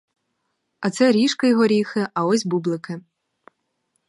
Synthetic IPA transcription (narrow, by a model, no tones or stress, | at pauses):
ɐt̪sɛɾʲiʃkɐjɔɦɔɾʲixɪʔɐɔsʲbublˠɪkɪ